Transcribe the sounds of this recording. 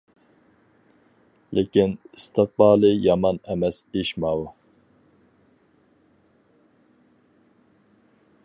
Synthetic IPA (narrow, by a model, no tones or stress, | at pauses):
lekʲinist̪ɨq̚bɑːlˠɨjɑmɑnɛmɛsiʃmɑwu